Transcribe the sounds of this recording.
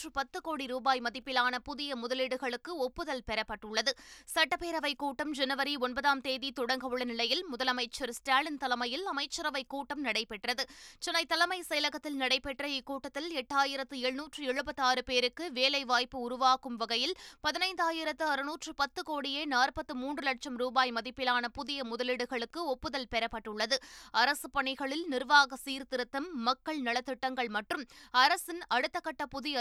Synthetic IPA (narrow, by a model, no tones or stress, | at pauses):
rɯpɐt̪ːɯkoːɽiɾuːbaːjmɐðɪpːɪlaːnɐpʊðɪjɐmʊðɐlɪɽɯɣɐɭɯkːɯɔpːɯðɐlpɛɾɐpːɐʈːʊɭːɐðɯsɐʈːɐpeːɾɐʋɐɪkuːʈːɐmd͡ʒɛnɯʋɐɾiɔnbɐðaːmt̪eːðit̪ɔɽɐŋɡɐʋɯɭɐnɪɭɐjɪlmʊðɐlɐmɐɪt͡ʃːɐɾsʈaːlɪnt̪ɐlɐmɐjɪlɐmɐɪt͡ʃːɐɾɐʋɐɪkːuːʈːɐmnɐɽɐɪpːɛʈrɐðɯt͡ʃɛnːɐɪt̪ːɐlɐmɐɪsɐjɐlɐɣɐt̪ːɪlnɐɽɐɪpːɛʈːrɐikːuːʈːɐt̪ːɪlɛʈːaːjɪɾɐt̪ːɯɛɻɯnuːʈrɯɛɻɯpɐt̪ːaːɾɯpeːɾɯkːɯʋeːlɐɪʋaːjpːɯʊɾʊʋaːkɯmʋɐɣɐjɪlpɐðɪnɐɪnd̪aːjɪɾɐt̪ːɯɐɾɯnuːʈrɯpɐt̪ːɯkoːɽɪjeːnaːrpɐt̪ːɯmuːndrɯlɐʈ̚t͡ʃɐmɾuːbaːjmɐðɪpːɪlaːnɐpʊðɪjɐmʊðɐlɪɽɯɣɐɭɯkːɯɔpːɯðɐlpɛɾɐpːɐʈːɯɭːɐðɯɐɾɐsɯpɐɳɪɣɐɭɪlnɪɾʋaːɣɐsiːɾt̪ɪɾɯt̪ːɐmːɐkːɐɭnɐɭɐt̪ːɪʈːɐŋɡɐɭmɐʈrɯmɐɾɐsɪnɐɽɯt̪ːɐkːɐʈːɐpʊðɪjɐ